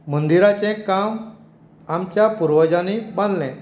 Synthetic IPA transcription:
mənd̪iɾat͡ɕɛ̃kam | amt͡ɕjapuɾʋəd͡ʑanibãnd̪lɛ̃

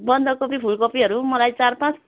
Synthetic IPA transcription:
bʌnd̪ʱʌkopibʱuɭkopiɦʌɾumʌlajt͡sarpãt͡s

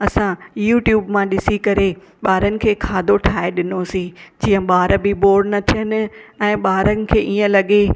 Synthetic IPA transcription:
ɐsãjuːʈjuːbmãɗɪsikɐɾe | ɓaːɾənɪ̆kʰeːkʰaːd̪ʱoʈʰaːeɗɪnosĩd͡ʑiːə̃ɓaːɾbɪboːɖnɐt̪ʰijənɪ̆ɛ̃ːɓaːɾənɪ̆kʰeːʔiːə̃lɐɠe

